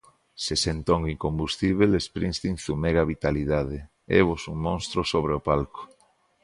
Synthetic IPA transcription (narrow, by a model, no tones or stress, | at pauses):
sesent̪oŋiŋkombust̪iβ̞elespɾĩnst̪iŋθumeɣaβit̪aliðað̞e | ḛβ̞osuŋmõnst̪ɾosoβ̞ɾeopalko̥